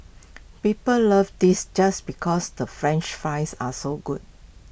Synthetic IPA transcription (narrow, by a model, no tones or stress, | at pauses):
pipəllʌvdisd͡ʒasbikʰɔsdəfɹɛ̃nt͡ʃfãɪsasoɡud̚